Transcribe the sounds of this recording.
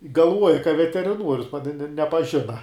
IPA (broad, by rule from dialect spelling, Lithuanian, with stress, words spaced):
ɡɐlˠˈʋuɔjɛ kɐ ʋʲɛtʲɛrʲɪˈnuɔrʲʊs pɐ nʲɛ nʲɛ nʲɛpɐˈʒʲɪnɐ